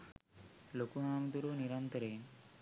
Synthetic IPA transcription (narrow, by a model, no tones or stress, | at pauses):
lokuɦaːmd̪uɾoniɾɐnt̪ɐɾeːn